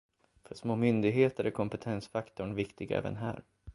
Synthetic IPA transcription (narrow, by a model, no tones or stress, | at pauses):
fœʂmoːmʏnd̪ɪɡɦeːt̪əɾækʰɔmpɛt̪ʰɛnsfakt̪ʊɳvɪkt̪ɪɡaɛ̰ːvə̰nɦæ̰ːɾ